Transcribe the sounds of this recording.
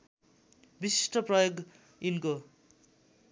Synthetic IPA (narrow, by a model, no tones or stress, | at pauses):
bisi̥sʈʰʌprʌjoɡ | inko